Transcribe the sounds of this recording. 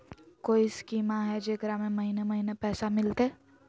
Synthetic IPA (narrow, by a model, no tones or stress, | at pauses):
koːiskiːmaɦɛd͡ʒeːkɾamẽmɐɦinemɐɦinepɛːsamɪlt̪eː